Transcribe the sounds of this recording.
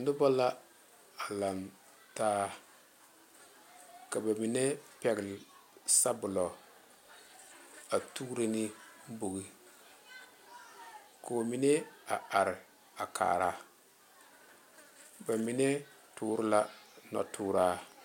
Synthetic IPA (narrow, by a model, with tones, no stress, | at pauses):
ndʊ˦bɔ˦la˦ | a˨la˨n | taː˦ | ka˨ba˨mi˨nɛ˦pɛ˨ɡɪ˨lsa˦bʊ˨lɔ˨ | a˨tu˦ɾe˦nɪ˦bo˨ɡi˦ | ko˨mi˦nɛ˦a˨a˨ɾɪ˨ | a˨kʰa̰ː˨ɾa˨ | ba˨mi˨nɛ˦ | tuː˨˦ɾɪ˦la˦nɔ̰˨tuː˦ɾaː˦